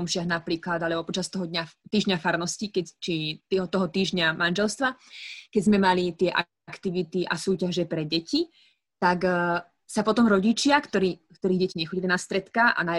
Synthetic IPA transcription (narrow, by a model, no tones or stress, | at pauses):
ɔmʃɪaɣnapɾiːklad̪alɛbɔpɔt͡ʃast̪ɔɦɔd̪ɲat̪iːʒɲafaɾnɔscikɛt͡ʃiiɦɔt̪ɔɦɔt̪iːʒɲamanʒɛlst̪ʋakɛɟzmɛmalit̪ɪɛʔa | kt̪iʋit̪iʔa̰suːcaʒɛpɾɛɟɛci | t̪ak | sapɔt̪ɔmɾɔɟit͡ʃɪakt̪ɔɾiːkt̪ɔɾiːɣɟɛciɲɛxɔɟilinast̪ɾɛt̪kaʔa̰na